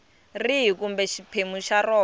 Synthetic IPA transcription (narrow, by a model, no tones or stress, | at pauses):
riɦikumbɛʃipʰemuʃarɔː